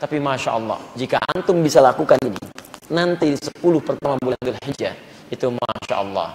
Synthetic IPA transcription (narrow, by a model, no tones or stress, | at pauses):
t̪apimaʃa̰ʔɑlːɑ̰hd͡ʒikaʔa̰nt̪ʊmbisalakukaninḭnant̪isə̥pulʊhpərt̪amabuland̪ulhid͡ʒa̰it̪uma̰ʃa̰ʔɑlːɑ̰h